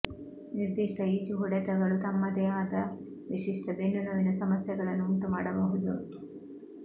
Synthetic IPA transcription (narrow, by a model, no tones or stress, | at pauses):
niɾd̪iʂʈɐiːd͡ʒuɦuɽɛt̪ɐɡɐɭut̪ɐmːɐd̪ɛjaːd̪ɐ | ʋiʂiʂʈɐbenːunɐʋinɐsɐmɐsjɐɡɐɭɐnːuunt̪umaːɽɐbɐɦud̪u